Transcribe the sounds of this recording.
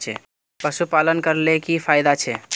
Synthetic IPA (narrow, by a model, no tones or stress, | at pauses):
t͡ʃʰɛ̰ | pəsupalənkəɾlekipʰajd̪at͡ʃʰɛ